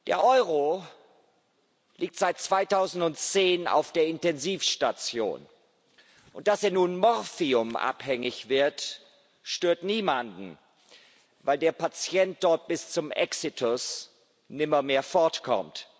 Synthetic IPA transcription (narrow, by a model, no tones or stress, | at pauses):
d̥ḛːɐʔɔʏʁ̞o | liːk̚tz̥aɪt̚t͡sv̥aɪtaʊzn̩tʊntt͡seːna̰ʊfd̥eːɐɪntɛnziːfʃtat͡sjo̰ːn | ʔʊnt̚d̥aseːɐnuːnmɔʁfiʊmʔa̰phɛŋɪçv̥ɪɐt | ʃtøːɐtniːmandn̩ | vaɪldeːɐpat͡sjɛnt̚d̥ɔɐt̚b̥ɪst͡sʊmʔɛ̰ksitʰʊs | nɪmɐmeːɐfɔɐtkʰɔ̰mt